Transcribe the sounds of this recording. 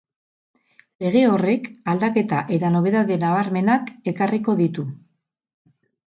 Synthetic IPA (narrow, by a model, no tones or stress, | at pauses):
le̞ɣ̞e̞o̞re̞kald̪ake̞t̪aʔe̞t̪ano̞β̞e̞ðaðe̞naβaɾme̞nake̞kariko̞ðit̪u